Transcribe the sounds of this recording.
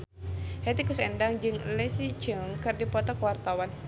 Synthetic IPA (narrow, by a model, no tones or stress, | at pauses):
hɛt̪ikusɛndaŋd͡ʒɨŋlɛsit͡ʃəŋkɨrdipɔt̪ɔkwart̪awan